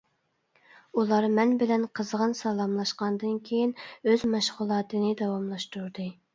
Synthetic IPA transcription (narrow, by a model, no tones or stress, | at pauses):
ulˠɑɾmɛnbɪlɛnqʰəzʁənsɑlˠɑmlˠɑʃqɑnd̪ɨnkʲʰejinøzmɑʃʁʊlˠɑːt̪ʰɨnɨd̪ɑwɑmlˠɑʃt̪uɾd̪ɨ